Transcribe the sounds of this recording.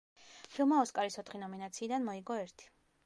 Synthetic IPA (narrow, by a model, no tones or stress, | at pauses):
pʰilˠmaɔskʼaɾisɔt̪ʰχinɔminat̪sʰiːd̪anmɔiɡɔɛɾt̪ʰi̥